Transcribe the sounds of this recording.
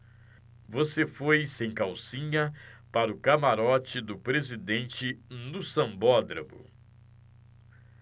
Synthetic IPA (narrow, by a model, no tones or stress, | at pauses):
vosefojsẽj̃kawsĩɲɐpaɾʊkamaɾɔt͡ʃɪd̪ʊpɾezid̪ẽnt͡ʃɪnʊsɐ̃mbɔd̪ɾɐmʊ̰